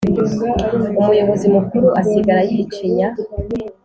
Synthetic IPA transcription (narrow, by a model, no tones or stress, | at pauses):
umujo̞βo̞zimukuɾuʔasiɡaɾajit͡ʃiɲa